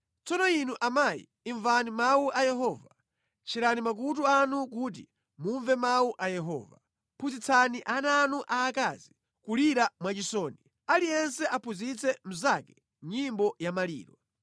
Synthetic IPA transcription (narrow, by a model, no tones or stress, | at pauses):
t͡sɔnɔinuʔamajḭːɱvanimauʔajɛɦɔva | t͡ʃʰiɾanimak̬ut̬uanuk̬uːt̬ḭ | muɱvɛmauʔajɛɦɔ̰ːva | pʰuzit͡sʰaniʔananuʔaːkazi | kuliɾamwat͡ʃisɔni | alijɛnsɛʔapʰuzit͡sʰɛm̩zakɛ | ɲimbɔjamalḭːɾwa